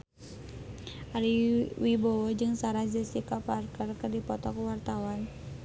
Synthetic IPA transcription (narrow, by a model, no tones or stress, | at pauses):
ʔaliwibɔwɔd͡ʒɨŋsaɾad͡ʒəsikaparkərkərdipɔt̪ɔkuwart̪awan